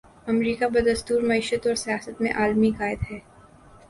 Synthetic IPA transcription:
ɐmɾiːkabɐd̪ɐst̪uːɾmɐiːʃət̪ɔːɾsijaːsət̪mḛ̃ʔaːlmikaːɪd̪ɦɛː

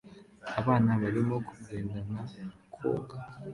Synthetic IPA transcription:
aβanaβalimokʰu̥zendanakʰo̰ːɡa

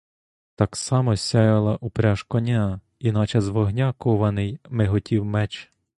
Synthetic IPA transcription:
t̪ɑksɑmɔsʲɑjɐlˠɐʔupɾʲaʃkɔnʲa | inɑt͡ʃɐzʋɔɦnʲɑkɔʋɐnɪjmeɦɔtʲiwmɛt͡ʃ

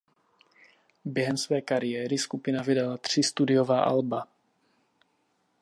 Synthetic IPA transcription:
bjɛɦɛmsvɛːkaɾɪjɛːɾɪskupɪnavɪdalat̪r̝̥ɪst̪udɪjovaːʔa̰lba

